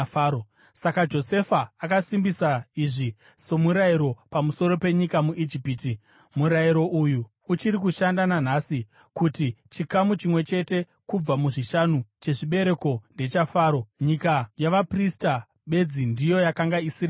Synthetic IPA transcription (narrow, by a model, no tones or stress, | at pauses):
o | sakad͡ʒo̞se̞faːkasimbisaiʐi | so̞muɾaiɾo̞pamuso̞ɾo̞pe̞ɲikamuʔid͡ʒipiːti | muɾajiɾo̞ʔujuː | t͡ʃiɾik̬uʃandanan̤asi | kutit͡ʃikamut͡ʃimwe̞t͡ʃe̞te̞ | kub͡vamuʐiʃanut͡ʃe̞ʐiɓe̞ɾe̞ko̞nde̞t͡ʃafaːɾo̞ɲikajaʋaprista | ɓe̞d͡zindijo̞jakaŋɡaisira